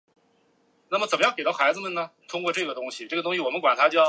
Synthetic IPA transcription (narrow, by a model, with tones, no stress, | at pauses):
na˥˩mə˩t͡sə˨˩nmə˦jɑ˥˩ŋke˨˩t̪ɑ˥˩ʊxa˧˥ɪd͡zɹə˧mə˨nə˩t̪ʰʊ˥ŋkwɔ˥˧ʈ͡ʂɤ˥˩ɡə˩t̪ʊ˥ŋɕi˨ʈ͡ʂɤ˥˩ɡə˩t̪ʊ˥ŋɕi˩wɔ˨˩mə˦nkwa˨˩nt̪ʰa˥t͡ɕjɑ˥˩ʊ